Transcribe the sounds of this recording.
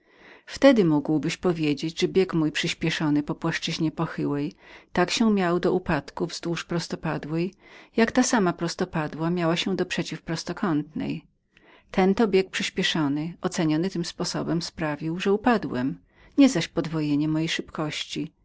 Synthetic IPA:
ft̪ɛd̪ɘmuɡwbɘɕpɔvʲjed͡ʑed͡ʑʐɛbʲjɛkmujpʂɘɕpʲjɛʂɔnɘpɔpwaʂt͡ʂɘʑɲɛpɔxɘwɛjt̪akɕɛmʲjawd̪ɔʔupat̪kuvzd̪wuʂpɾɔst̪ɔpad̪wɛjjakt̪asamapɾɔst̪ɔpad̪wamʲjawaɕɛ̃d̪ɔpʂɛt͡ɕifpɾɔst̪ɔkɔnt̪nɛ̰j | t̪ʰɛnt̪ɔbʲjek̚pʂɘɕpʲjɛʂɔnɘʔɔt̪sɛɲɔnɘt̪ɘmspɔsɔbɛmspɾavʲiwʐɛupad̪wɛ̰m | ɲɛzaɕpɔd̪vɔjeɲɛmɔjejʂɘpkɔɕt͡ɕi

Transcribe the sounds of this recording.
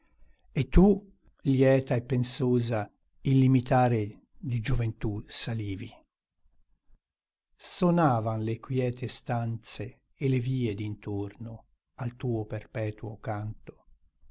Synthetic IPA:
et̪ːu | ljɛːt̪aepːensoːza | ilːimit̪aːɾe | d̪id͡ʒuvent̪usaliːvi | sonaːvanlekwjɛːt̪ʰest̪ant̪seː | leviːed̪int̪orno | alt̪uːoperpɛːt̪uokant̪o̥

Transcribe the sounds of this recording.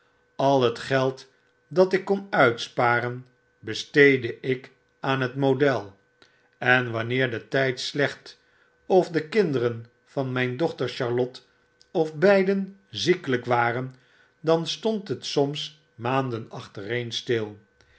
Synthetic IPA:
ɑlˠɦətχɛlˠt | dɑtɪkːɔnœɥtspaːrən | bəstejdəʔɪk | aːnɦətmodɛlˠ | ɛnʋɑnɪːɹdətɛjtslɛχt | ɔfdəkɪndəɾən | v̥ɑnmɛjndɔχtəɹʃɑɹlɔt | ɔfbɛjdənzikələkʋaːrən | dɑnstɔntɦətsɔms | maːndənɑχtərejnstɪlˠ

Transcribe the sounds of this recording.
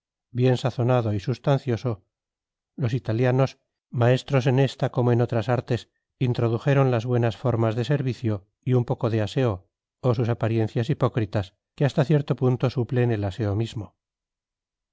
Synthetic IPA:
bje̞nsaθo̞naðo̞isust̪an̟θjo̞so̞ | lo̞sit̪aljano̞s | mae̞st̪ɾo̞se̞ne̞st̪ako̞moeno̞t̪ɾasaɾt̪e̞s | int̪ɾo̞ðuxe̞ɾo̞nlazβwe̞nasfo̞ɾmazðe̞se̞ɾβiθjo̞ | iumpo̞ko̞ðease̞o | osus̬apaɾje̞n̟θjasipo̞kɾit̪as | keast̪aθje̞ɾt̪o̞punt̪o̞suple̞ne̞lase̞omizmo

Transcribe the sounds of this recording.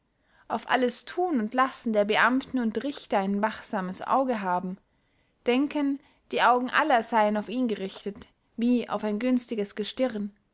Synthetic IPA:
ʔaʊfʔa̰ləstʰuːnʊntlasn̩deːɐbəʔamtn̩ʊntʁɪçtɐaɪnvaχz̥aːməsʔa̰ʊɡəɦaːbm̩ | d̥ɛŋkən | d̥iːʔaʊɡŋ̩ʔa̰lɐzaɪənaʊfiːnɡəʁɪçtət | viːa̰ʊfaɪnɡʏnstɪɡəsɡ̥əʃtɪʁn

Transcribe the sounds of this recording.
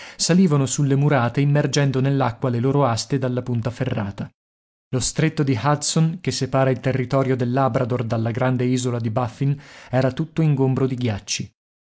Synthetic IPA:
saliːvanosulːemuɾaːt̪eimːerd͡ʒɛnd̪onelːakːwaleloːɾoast̪ed̪alːapunt̪aferːaːt̪a | lost̪ɾet̪ːod̪ihat̪sonkesːepaːɾailt̪erːit̪ɔːɾjod̪elːabɾad̪ord̪alːaɡɾand̪eiːzolad̪ibafːinɛːɾat̪ut̪ːoiŋɡombɾod̪iɡjat͡ʃːi

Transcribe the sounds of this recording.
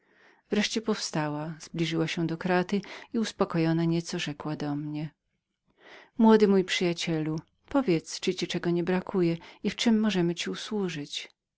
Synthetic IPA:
vɾɛʂt͡ɕɛpɔfst̪awaz̥blʲiʐɘwaɕɛ̃d̪ɔkɾat̪ɘiuspɔkɔjɔnaɲɛt̪sɔʐɛkwad̪ɔmɲɛ | mwɔd̪ɘmujpʂɘjat͡ɕɛlu | pɔvʲjɛt̪st͡ʂɨt͡ɕit͡ʂɛɡɔɲɛbɾakʰujɛift͡ʂɘmːɔʐɛmɘt͡ɕiuswuʐɘt͡ɕ

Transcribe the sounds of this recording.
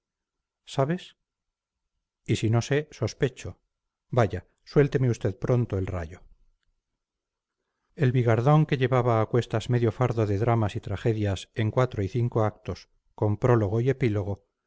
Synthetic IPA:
saβe̞s | isino̞se̞so̞spe̞t͡ʃo | baʝa | swe̞lt̪emeust̪e̞ðpɾo̞nt̪oe̞lra̰jo | e̞lβiɣaɾðo̞ŋke̞ʎe̞βaβaːkwe̞st̪azme̞ðjo̞faɾðo̞ðe̞ðɾamasit̪ɾaχe̞ðjase̞ŋkwat̪ɾoiθiŋkoak̚t̪o̞s | ko̞mpɾo̞lo̞ɣ̞o̞ie̞pilo̞ɣ̞o̞

